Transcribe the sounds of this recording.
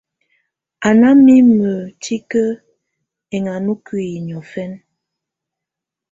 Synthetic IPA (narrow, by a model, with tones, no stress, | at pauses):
a˨na˦mi˦mə˨tʰi˦kə˦ | e˨ŋa˨nu˦kwi˦˨ɲ˨ɔ˨fɛ˦n